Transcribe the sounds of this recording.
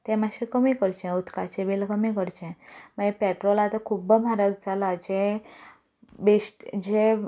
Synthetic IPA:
t̪ɛ̃maɕekəmikəɾt͡ɕɛ̃ut̪kat͡ɕebelkəmikəɾt͡ɕɛ̃məepɛʈɾɔlat̪akʰubəmʱaɾək̚d͡zalad͡ʑɛ̃ | beɕʈd͡ʑẽ

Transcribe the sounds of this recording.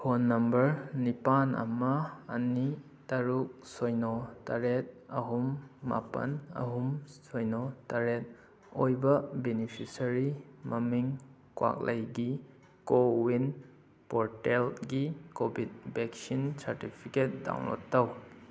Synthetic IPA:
hʰonːɐmbɐɾnipanɐ̰mɐːni | taɾuk̚sojnɔtɐɾet̚ɐɦumːa̰pɐ̰nɐ̰ɦumsojnotɐɾet̚ | ojbɐbenipʰisɐɾimɐmiŋ | kwa̰k̚lʔɐjɡi | kowin | poɾtelɡikobʱid̚beksinsaɾtipʰiket̚da̰wno̰tːɐw

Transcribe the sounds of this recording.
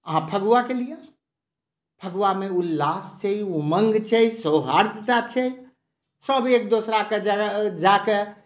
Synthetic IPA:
əɦãpʰəɡʋakelija | pʰəɡwameullast͡ʃʰɛuməŋɡt͡ʃʰɛjsoɦaɾd̪t̪at͡ʃʰɛj | səbʱek̚d̪osɾaked͡ʒad͡ʒake

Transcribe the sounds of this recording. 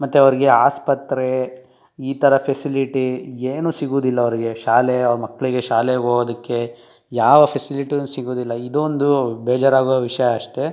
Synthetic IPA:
mɐt̪ːeɐʋɐɾiɡe̞aːspɐt̪ːɾe | iːt̪ʰɐɾɐpʰesiliʈieːnuːsiɡuːd̪ilːɐːʋɐɾiɡeʃaːleɐʋɐɾumɐkːɐɭiɡe̞ʃaːleɡoːod̪ɐkːe̞ | jaːʋɐpʰesiliʈijnsiɡuːd̪ilːɐid̪ond̪ubeːd͡ʒɐɾaːɡoʋɐʋiʂɐjɐːʂʈe

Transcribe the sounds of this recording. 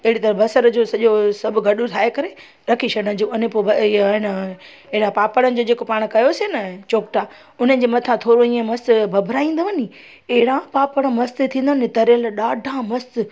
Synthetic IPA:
ɪɦɪɽit̪ɐɾəfbɐsəɾd͡ʑosɐʄosɐbʱʊɡʱɐɗut̪ʰaːekɐɾe | ɾɐkʰiɕɐɽənd͡ʑoːʊnẽpobɐɪn | eɦɪɽapaːpəɽ̃ənɪ̆d͡ʑoːd͡ʑeːkopaːɽ̃kɐjosenɐt͡ɕoːkʈaː | ʊn̤əɪ̆d͡ʑemɐt̪ʰãt̪ʰoːɾoĩːə̃mɐst̪bʱɐbʱɾaːĩːnd̪oʋɐni | ɐɦɪɽãpaːpəɽ̃əmɐst̪et̪ʰĩːnd̪oʋənet̪ɐɾəlɗaːɖʱãmɐst̪

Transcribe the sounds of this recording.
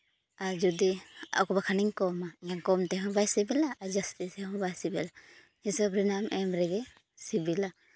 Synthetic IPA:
aɾd͡ʒɔdia̰wkɔbakʰaniŋkɔmaɡaŋkɔmtɛɦɔ̃bajsibilaːd͡ʒastiseɦɔ̃bajsibila | hisabɾinamʔemɾɛɡɛ | sibila

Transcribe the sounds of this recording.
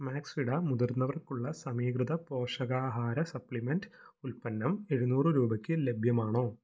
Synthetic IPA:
maːksiɽɐmud̪uɾnːɐʋɐrkuɭːɐsɐmiːkrɨd̪ɐpo̞ːʂɐɣaːɦaːɾɐsɐpɭimendulpɐnːɐme̞ɻunuːrɨɾuːbɐkʲːɨle̞bʱjɐmaːɳo̞ː

